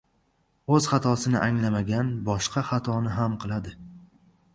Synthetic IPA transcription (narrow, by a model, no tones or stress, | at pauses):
ɵz̥χat̪ʰɒsɪnɪʔaŋlamaɡʲanbɒʃqʰɑχat̪ʰɒnɪɦamqʰɨlˠad̪ɪ